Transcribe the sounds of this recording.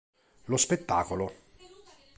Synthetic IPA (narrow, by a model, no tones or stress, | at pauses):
lospet̪ːaːkolo